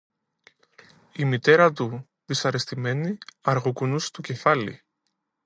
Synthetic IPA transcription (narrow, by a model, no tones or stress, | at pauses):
imit̪e̞ɾɐt̪u | ðisɐɾe̞st̪ime̞niɐɾɣokunust̪uce̞fɐlḭ